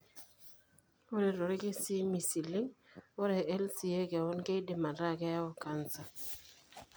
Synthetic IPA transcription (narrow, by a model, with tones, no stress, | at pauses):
o˦ɾe˨ɾo˨ɾi˦ɡe˦si˦mi˨si˨li˦ŋo˦ɾe˨e˦lsi˨je˦ɡe˨wo˦nɡe˦de˨ma˨ɾa˦˨ɡe˦ja˦o˨ka˨nsa˨